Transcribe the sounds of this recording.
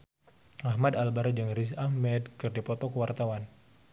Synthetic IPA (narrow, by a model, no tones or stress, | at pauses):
ahmadalbaɾd͡ʒaŋris̬ahmɛdkɨrdipɔt̪ɔkəwart̪awan